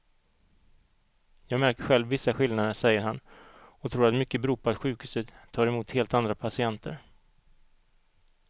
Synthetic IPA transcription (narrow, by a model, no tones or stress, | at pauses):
jɑːɡmæɾkəɧɛlvːɪsːaɧɪlnad̪əʂɛjːəɾɦanɔt̪ʰɾuːɾat̪mʏkːəbɾuːpʰɔat̪ɧʉ̟ːkhʉ̟ːsət̪t̪ʰːɑːɾɛmuːt̪heːlt̪and̪ɾapʰasɪɛnt̪ʰə̰ɾ